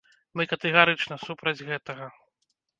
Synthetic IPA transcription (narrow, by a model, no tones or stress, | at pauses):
mɨkɐt̪ɛɣaɾɨt͡ʂnɐsupɾɐd͡zʲɣɛt̪ɐɣɐ